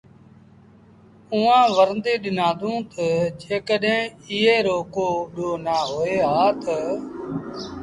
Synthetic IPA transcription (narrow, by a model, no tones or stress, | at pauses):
ũːãːʋəɾnd̪iːɗɪnãːd̪ũːt̪əd͡ʒeːkəɗɦẽːɪɦeːɾoːkoːɗoːnaːɦoːeːɦaːt̪ə